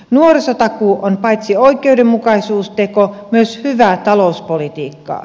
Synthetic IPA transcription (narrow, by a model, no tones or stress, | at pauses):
nuoresot̪ɑkuonpɑit̪sioikeudemmukɑisuːst̪ekomyøshyʋæˑt̪ɑlouspolit̪iːkːɑ̰ː